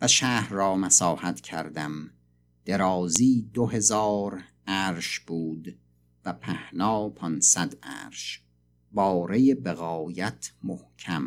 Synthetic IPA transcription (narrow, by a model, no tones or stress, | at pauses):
væʃæːhɾːɒːmæsɒːhæt̪ʰcʲʰæ̰ɾd̪æm | d̪̥e̞ɾɒːziːd̪oɦe̞zɒːɾ | æːɾʃb̥uːd̪ | væpʰæhnɒːpʰɒnsæd̪æ̰ːɾʃ | bɒːɾejebeɣɒːjæt̪ʰmohcʰæm